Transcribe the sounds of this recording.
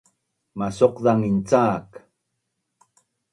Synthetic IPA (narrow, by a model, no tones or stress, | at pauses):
masoqðaŋint͡saːk